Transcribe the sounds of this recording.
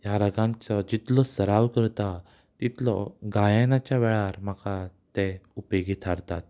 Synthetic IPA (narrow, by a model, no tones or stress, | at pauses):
jaɾəɡãnt͡sɔd͡ʑit̪lɔsəɾaʋkəɾt̪a | t̪it̪lɔɡajenat͡ɕjaʋɛɭaɾm̤akat̪ẽupeɡit̪ʰaɾt̪at̪̚